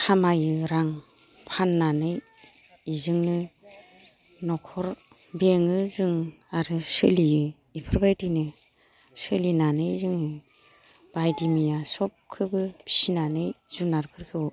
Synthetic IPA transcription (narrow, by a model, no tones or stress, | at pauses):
hamajɯɾaŋ | pʰanːanɯj | izɯŋnɯ | nɔkʰɔɾ | beŋɯzɯŋ | aɾɯsɯliɯ | ipʰɯɾbajtinɯ | sɯlinanɯjzɯŋnɯ | b̥ajdimijasɔp̚kʰɯbɯbʰi̥sinanɯjz̥unaɾkʰɯɾkʰɯ